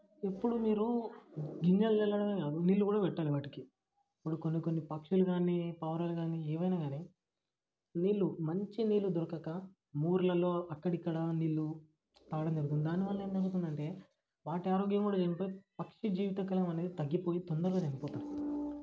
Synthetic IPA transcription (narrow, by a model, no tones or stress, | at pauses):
epːuɽumiːɾu | ɡiɲd͡ʒɐld͡ʒɛlːɐɽɐɡakaːd̪uniːlːukuːɽaːpɛʈːaːliʋaːʈiki | ɐpːuɽukonːikonːipɐkʂuluɡaːniːpɐːʋɐɾaːluɡaːniːeːʋɐjnaːɡaːneː | niːlːumɐɲt͡ʃiniːlud̪ɔɾɐkɐkɐ | muːɾlɐlo̞ːɐkːɐɽikːɐɽɐnilːu | t̪aːɽɐmd͡ʒɐɾuɡ̪und̪d̪aːniʋaːlːɐeːnd̪ɐɡut̪und̪ɐɳʈe̞ː | ʋaːʈiaːɾoːɡjɐmkuːɽaːd͡ʒɐnipoːjipɐkʂid͡ʒiːʋit̪ɐkɐlɐɐmɐne̞ːd̪it̪ɐɡːipoːjit̪ond̪ɐɾlod͡ʒɐnipɔːt̪aːɾi